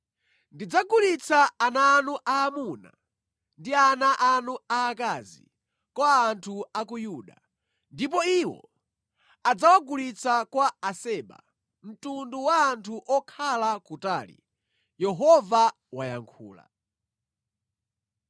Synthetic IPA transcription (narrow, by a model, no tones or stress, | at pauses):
ndid͡zaɡulit͡saːnaːnuʔaːmuna̰ | ndianaʔanuaːkaːzḭ | kwaːntʰuak̬ujuːɗa̰ | ndip̬ɔiwɔ̰ | ad͡zawaɡulit͡sʰakwaasɛːɓa̰ | m̩tunduwaːntʰuʔɔkʰalakutaːlḭ | jɛɦɔva | waja̰ŋkʰṵːla̰